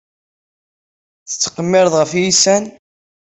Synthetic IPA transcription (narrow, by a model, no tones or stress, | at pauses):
θə̥t͡sːqəmːɪɾəðˤʁəfjisæn